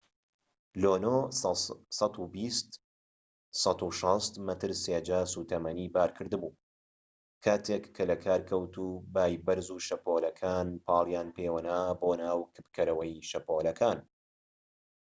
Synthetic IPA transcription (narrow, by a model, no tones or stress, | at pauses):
loːnoː | sɑt̪ubist̪ | sɑt̪uʃɑst̪mɐt̪ɨɾseːd͡ʒaːsuːt̪ʰɐmɐniːbaːɾkʰɨɾd̪ɨbuː | kʰaːt̪ʰekʰːɐlɐkʰaːɾkʰɐwt̪ʰuːbaːjbɐɾzuːʃɐpoːlɐkʰaːnpʰɑːlˠjaːnpeːwɐnaːboːnaːwkʰɨ̥pkɐɾɐwɐjʃɐpoːlɐkʰaːn